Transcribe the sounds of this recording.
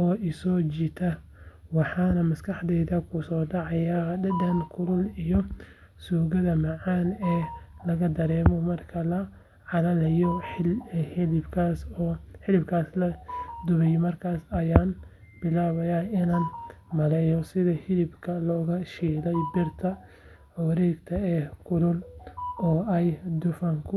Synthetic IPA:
ɔːʔɪsɔːt͡ʃit̪ʰɐ | wɑħɑːnɐmɐskʰɑħd̪ɛjðɐkʰʊsɔːɖɑʕɑjaːdɐd̪ɐnkʰʊlʊlijɔ | suːɣɐðɐmɑʕɑːnɛːlɐɣɐd̪ɐɾɛːmɔmɐrkʰɐlɐ | ʕɑlɐlɐjɔ | hɪlɪbkʰaːsɔːħɪlɪbkʰaːslɐd̪ʊβɛjmɐrkʰaːsɐjaːn | b̥ɪlaːβɐjaːɪnaːn | mɐlɛːjɔsɪðɐhɪlɪbkʰɐlɔːɣɐʃiːlɛjbɪrt̪ʰɐ | ʊwɾɛːɡt̪ʰɐɛːkʰʊɾʊlɔːɛjd̪ʊfɐŋkʰʊ

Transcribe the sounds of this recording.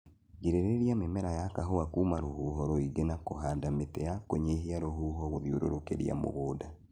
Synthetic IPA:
ɡeɾeɾeɾiamemɛɾajakaɦoakuːmaɾohuɦɔɾoiɡenakoɦaːndametɛjakoɲeɦiaɾoɦuɦɔɣoðjoɾoɾokḛɾḭa̰mo̰ɣoːda

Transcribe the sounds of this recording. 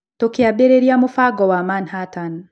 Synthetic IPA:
tokeabeɾeɾiamufaɡɔwamanhatan

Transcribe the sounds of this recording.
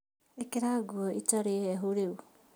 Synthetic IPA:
ekeɾaɡuoʔitaɾeeɦuɾeu

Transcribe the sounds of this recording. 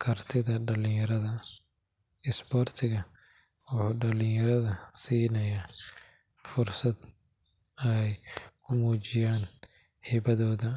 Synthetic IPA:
kʰɐrt̪ʰɪðɐɖɐlɪjɐɾɐðɐ | ɪsbɔːrt̪ʰɪɣɐ | wʊħʊːɖɐlɪjjɐɾɐðɐsiːnɐjaː | fʊrsɐd̪ | ɐjkʰʊmuːt͡ʃɪjaːn | hɛbɐðɔːðɐ

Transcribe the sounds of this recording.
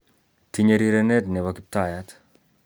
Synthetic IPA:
t̪iɲeɾiɾenet̪neβakip̚t̪ajat̪

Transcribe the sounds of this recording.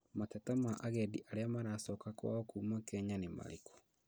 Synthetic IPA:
matatamaʔaɣɛdiʔaɾeamaɾasɔːkakwa̰ɔkumakɛɲanema̰ɾekɔ̥

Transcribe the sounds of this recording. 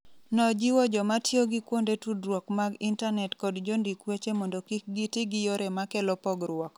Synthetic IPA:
nɔd͡ʒiwɔd͡ʒɔmatjoɡikwondetudrwɔkmaɡintanɛtkɔdd͡ʒondikwet͡ʃemɔndɔkik̚ɡitiɡɪjoɾemakɛlɔpɔɡɾwɔk

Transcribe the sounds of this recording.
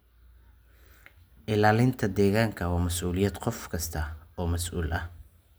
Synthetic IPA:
ʔɪlaːlɪnt̪ʰɐd̪ɛːɣaːŋkʰɐwaːmɐsʔuːlɪjɐd̪qɔfkʰɐst̪ʰɐɔːmɐsʔuːlʔɐ

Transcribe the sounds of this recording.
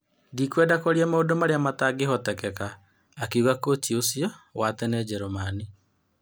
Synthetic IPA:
dikwɛːdakoɾiɛmaodomaɾeamataɡeɦɔtɛkɛkaː | keuɣakotiosiɔwatɛnɛd͡ʒɛɾomani

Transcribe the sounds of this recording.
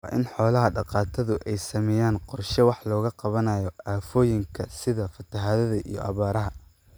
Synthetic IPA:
wɑ̰ːʔɪnħɔːlɐɦɐɖɑqɑːt̪ʰɐðʊʔɛjsɐmɛjaːnqɔrʃɛwɑħlɔːɣɐqɑβɐnaːjɔaːfɔːjɪŋkʰɐsɪðɐfɐt̪ʰɐɦaːðɐðɐʔḭjɔ̰ʔɐ̰βaːɾɐɦɐ

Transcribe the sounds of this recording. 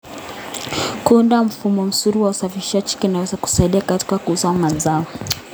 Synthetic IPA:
kundam̩fumɔm̩suɾiwausafiiʃat͡ʃi̥kinawɛzaku̥saiɗiakati̥kakuusamanzaɔ

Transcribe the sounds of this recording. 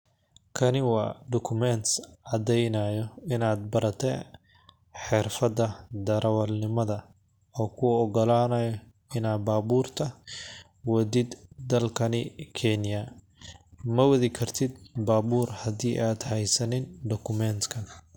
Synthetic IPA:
kʰɐnɪwɑːɖ̪ɔkʰʊmɛnt̪sʕɑd̪ɛjnɐjɔɪnaːd̪̚bɐɾɐt̪ʰɛ | ħɪrfɐðɐd̪ɐɾɐwɐlnɪmɐðɐ | ɔːkʰʊɔɡɔlaːnɐjɔ | ɪnaːbaːbuːrt̪ʰɐ | wɐdɪd̪ːɐlkʰɐnɪkʰɛnjɐ | mɐwɐðɪkʰɐrt̪ʰɪd̪baːβuːrhɐdiːʔaːd̪hɛjsɐnɪnɖ̪ɔkʰʊmɛnt̪kʰɐn

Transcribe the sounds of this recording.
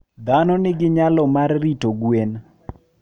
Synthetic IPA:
d̪anɔnɪɡɪɲalɔmarːitoɡwen

